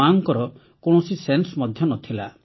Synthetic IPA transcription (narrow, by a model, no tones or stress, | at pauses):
aŋkɔɾɔ | koɽ̃ɔsisensɔmɔd̪ʱjɔnɔt̪ʰila